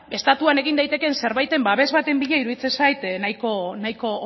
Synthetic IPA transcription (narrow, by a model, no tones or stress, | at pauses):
e̞st̪at̪uane̞ɣind̪ajt̪e̞ke̞nse̞ɾβajt̪e̞mbaβe̞zβat̪e̞mbiʎaiɾuðit͡se̞nsajt̪najko̞najko̞